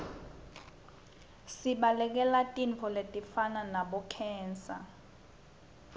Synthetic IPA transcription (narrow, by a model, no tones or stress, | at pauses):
siɓalɛk̬ɛlatʼiɱfʰɔletʼifananaɓɔkʰɛːnsa̰